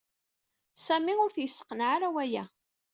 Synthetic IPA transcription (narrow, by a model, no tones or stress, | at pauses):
sæmiʊɾθjəsːə̥qːənʕaɾæwæjæ